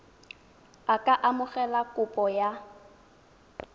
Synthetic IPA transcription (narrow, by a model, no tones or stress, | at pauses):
akʼaʔamʊɣɛlakʼʊpʼɔja